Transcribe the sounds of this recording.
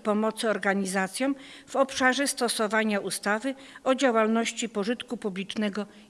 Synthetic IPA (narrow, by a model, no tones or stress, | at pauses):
pɔmɔt̪sɘɔɾɡaɲizat̪sʲjɔ̃mv̥ɔpʂaʐɛst̪ɔsɔvaɲaʔust̪avɘ | ɔd͡ʑawalnɔɕt͡ɕipɔʐɘt̪kupublʲit͡ʂnɛɡɔ